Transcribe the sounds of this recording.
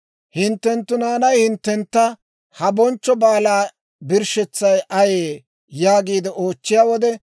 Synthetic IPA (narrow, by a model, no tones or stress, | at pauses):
hɪnt̪ːɛnt̪ːʊnaːnɐjhɪnt̪ːɛnt̪ːɐ | hɐbɔnt͡ʃːɔbaːlaː | bɪɾʃɛt͡sːɐjʔɐjeː | jaːɡiːd̪ɛʔo̞ːt͡ʃːɪjaːwɔd̪ɛ